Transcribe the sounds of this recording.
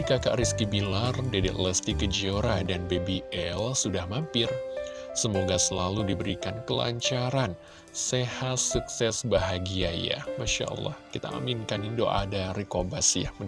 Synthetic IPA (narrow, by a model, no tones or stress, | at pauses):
ikaka̰ʔɾiskibilardedɛ̰t̪ləst̪ikəd͡ʒioɾadanbebiʔɛlsudahmampɪr | səmoɡasəlaludibəɾikankəla̰ɲt͡ʃaɾan | sehat̪suksɛsbaɦaɡiaja̰maʃa̰ʔə̰lːɑ̰hkit̪a̰a̰minkanindo̰ʔa̰daɾikobasjam